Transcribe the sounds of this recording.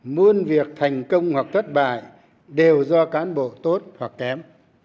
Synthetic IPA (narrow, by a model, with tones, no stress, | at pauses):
mu˧ənvi˨˩ək̚t̪ʰa˨˩jŋ̟kə˧wŋ͡mhwa˨˩k̚t̪ʰə˦˥t̚ɓa̰ː˧˨j | ɗe˨˩wzɔ˧kaː˨˦nɓo̰˧˨t̪o˦˥t̚hwa˨˩k̚kɛ˨˦m